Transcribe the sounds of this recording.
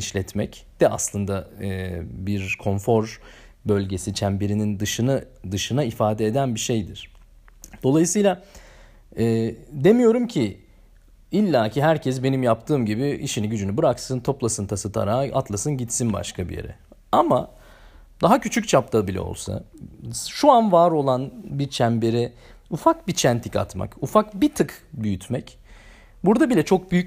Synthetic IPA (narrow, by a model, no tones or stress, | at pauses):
iʃlʲɛt̪mɛcd̪̥ɛʔa̰slˠɯnd̪aɛːbiɾkʰo̞nfo̞ɾ | bø̞lʲɟe̞sit͡ʃʰæmbeɾinind̪ɯʃɯnɯ | d̪ɯʃɯnaifaːd̪ɛed̪ænbiʃe̞jd̪iɾ̥ | d̪̥o̞lˠajɯsɯjlˠa | ɛːd̪e̞mijo̞ɾumcʰi | ilʲːaːciɦæɾcʰɛsbe̞nimjapt̪ʰɯːmɟibiḭʃiniɟyd͡ʒynybɯɾaksɯnt̪ʰo̞plˠasɯnt̪ʰasɯt̪ʰa̰ɾaːa̰t̪ʰlˠasɯnɟit̪sinba̰ʃkʰabḭjḛɾɛ̰ama | d̪̥aɦacʰyt͡ʃʰyc̚ʲt͡ʃʰap̚t̪ʰabilʲɛ̰o̰lˠsa̰ | ʃuanvaːɾo̞lˠanbit͡ʃʰæmbe̞ɾi | ufakbit͡ʃʰænt̪ʰica̰t̪ma̰kufakbit̪ʰɯkbyjyt̪ʰmɛc | buɾd̪abilʲɛt͡ʃʰo̞k̚byjyc̚